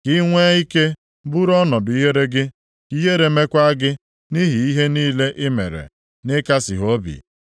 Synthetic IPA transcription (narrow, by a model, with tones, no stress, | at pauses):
ki˦ŋʷe˦i˦ke˦ | bʊ˦ɾɔ˦nɔ˨dʊ˨i˦ɦe˦ɾe˦ɡɪ˦ | i˦ɦe˦ɾe˨˦me˦kʷa˦ɡɪ˦ | ni˦ɦi˨i˦ɦe˦niː˦le˦ʔɪ˦mḛ˨ɾḛ˨ | nɪ˦ka˦sḭ˨ɦo˦bḭ˨